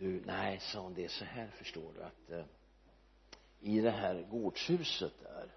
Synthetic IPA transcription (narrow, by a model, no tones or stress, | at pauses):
d̪ɵnʔæɪsɔd̪ɛsɔhæːɾfœʂʈo̰ːɖɵ̰a̰t̪ | ɪd̪ɛɦæːɾɡoːɖʂhʉ̟ːsət̪̚æ̰ɾ